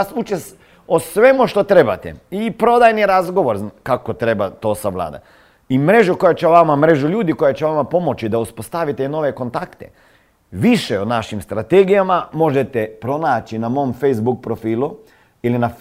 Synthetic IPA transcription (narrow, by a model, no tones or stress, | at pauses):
sut͡ʃes | osʋe̞muʃt̪o̞t̪ɾe̞bat̪ḛipɾo̞d̪ajniɾazɡo̞ʋoɾkakot̪ɾe̞bat̪o̞ːsaʋlˠa̰ːd̪a̰ | imɾe̞ʒuko̞jat͡ʃeoʋamamɾe̞ʒuʎuːd̪iko̞jat͡ʃeʋamapo̞mo̞t͡ʃid̪auspost̪aʋit̪eino̞ʋe̞ko̞nt̪akt̪ḛ | ʋiʃeonaʃimst̪ɾat̪eɡijamamo̞ʒet̪epɾo̞naːt͡ʃinamo̞ːmfejzbuk̚pɾofiːlˠu | ilina